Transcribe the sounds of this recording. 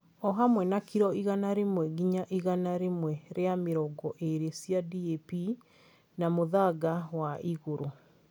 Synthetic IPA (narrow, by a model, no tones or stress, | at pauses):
ɔɦamwɛnakiɾɔiɣanaɾemwɛɣiɲaʔiɣanaɾemwɛɾeameɾɔɡɔʔeɾesjadiepi | namoðaɡawaʔiɣoɾo